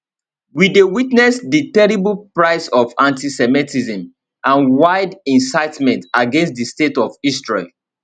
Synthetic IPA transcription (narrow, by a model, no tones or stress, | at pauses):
widewitnɛsditɛɹibəlpɹaɪsɔvãntisɛmitʰizə̃m | ʔãnwaɪdĩnsaɪtmɛ̃ntaɡɛ̃nstdistetɔvistɹɔ